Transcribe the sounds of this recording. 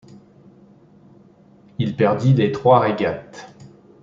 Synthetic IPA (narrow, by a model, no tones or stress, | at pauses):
ilpɛʁd̪ilet̪χwaʁeɡʲat̪